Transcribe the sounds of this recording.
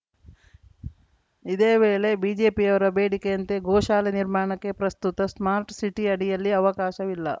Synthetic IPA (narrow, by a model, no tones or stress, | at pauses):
id̪e̞ːʋe̞ːle̞biːd͡ʒe̞ːpiɐʋɐɾɐbeːɽikejɐnt̪eɡɔːʃaːleniɾmaːɳɐkːe̞pɾɐst̪ut̪ɐsmaːɾʈsiʈiɐɽijɐlːiɐʋɐkaːʃɐʋilːɐ̰